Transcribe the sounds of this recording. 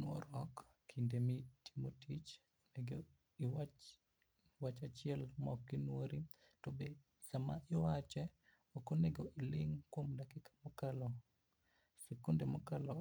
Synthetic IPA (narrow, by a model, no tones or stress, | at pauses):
nwɔ̰ɾɔkːʰ | indemiti̥motit͡ʃ | meɡo | iw | wat͡ʃat͡ʃɪɛlmɔkːinwoɾi | tobe | sama̰ʔɪwat͡ʃɛ | ɔkoneɡoʔilɪŋkwomdakɪkḁmokalɔ | sekundemokalɔ